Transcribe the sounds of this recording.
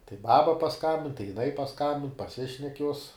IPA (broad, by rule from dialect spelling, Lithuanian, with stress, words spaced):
tɐɪ ˈbɑːbɐ pɐˈskɐmʲbʲɪn tɐɪ jɪˈnɐɪ pɐˈskɐmʲbʲɪn pɐˈsʲɪʃʲnʲɛk juɔs